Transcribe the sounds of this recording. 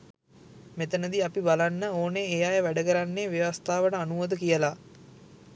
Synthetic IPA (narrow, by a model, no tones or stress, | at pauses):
met̪ənəd̪iapibalanːəoːneːjajəʋæɖəkəɾanːeːʋeʋast̪aːʋəʈəanuʋod̪əkijəla